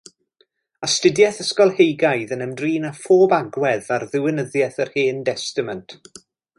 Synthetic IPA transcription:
astədjɛθəskɔlˠhejɡajðənəmdriːnafoːbaɡwɛðarðɪwɪnəðjɛθərheːndɛstɪməntʰ

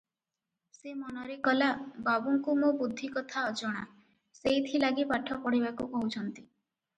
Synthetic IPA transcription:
semɔnɔɾekɔlababuŋkumobud̪ʱːikɔt̪ʰaɔd͡ʒɔɽ̃a̰ | sejt̪ʰilaɡipaʈʰɔpɔɽiβakukɔɦut͡ʃʰɔnt̪i̥

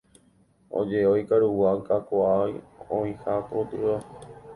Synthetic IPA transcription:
o̰d͡ʒeojkaɾuwakakoajõĩhat̪ot̪ɨa

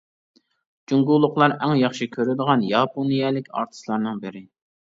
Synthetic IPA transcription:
d͡ʒuŋɡulˠːʊqlˠɑɾɛŋjɑχʃikʲʰøɾɪd̪əʁɑnjɑpʰonijɛlɪkʲɑ̰ɾt̪ʰɨ̥slˠɑɾnɨŋbɪɾɪ

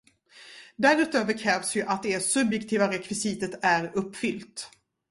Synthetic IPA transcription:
d̪æɾʉ̟ːt̪øːvəɾkʰɾɛːvsjɵʔat̪̚d̪ɛsɵbjɛkt̪ʰiːvaɾɛkvɪsiːt̪ət̪æɾɵpːfʏlt̪

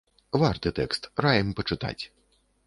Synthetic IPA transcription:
vart̪ɨt̪ɛkst̪rajɐmpɐt͡ʂɨt̪a̰t͡sʲ

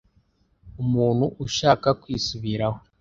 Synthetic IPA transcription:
umuːn̥huʔuʃaːkakwiːsuβiɾaho

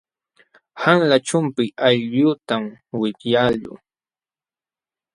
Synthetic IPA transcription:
haŋlat͡ʃʊmpɪʔaʎʎʊt̪amwɪtjaʎʊ̰

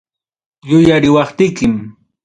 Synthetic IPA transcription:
jʊjaɾɪwɑχt̪ɪjkɪm

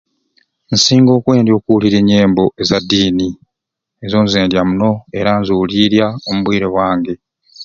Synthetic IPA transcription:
nsiːŋɡo̞ːkwe̞ːndjo̞ːkuliɾeɲːe̞ːmbo̞ʔe̞zadːiːni | ezo̞nzeːndjamuno̞e̞ɾanzuliɾjaomuβwiːɾe̞βwaːŋɡe̞

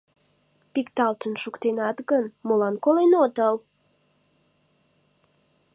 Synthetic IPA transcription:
pikt̪ɑlt̪ənʃukt̪enɑt̪ɡənmolɑnkolenot̪əl

